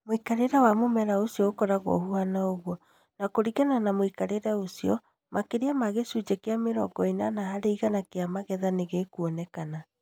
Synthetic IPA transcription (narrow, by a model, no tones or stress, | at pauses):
moikaɾeɾawamomɛɾaosiɔokɔɾaɣo̰huanaoɣwɔ | nakoɾiɣananamoikaɾeɾɛosiɔ | mʔakeɾeamaɣesud͡ʑekeameɾɔ̰ɡɔinanahaɾeiɣanakeamaɣɛðaneɣekuɔnɛkana